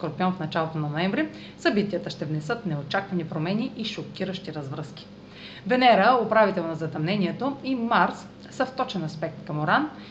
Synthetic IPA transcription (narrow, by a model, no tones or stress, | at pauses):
koɾpjɔnfnɐt͡ʃalˠot̪onɐnoɛmvɾi | sɐbit̪iət̪əʃt̪ɛvnɛsɤt̪nɛot͡ʃakvɐnipɾomɛniʔiʃokʲiɾəʃt̪iɾɐzvɾəsk̟i̥ | bɛnɛɾəopɾavit̪ɛlˠnɐzɐt̪ɐmnɛnʲiɛt̪oimaɾs | səft̪ɔt͡ʃɛnɐspɛk̚t̪kɐmoɾan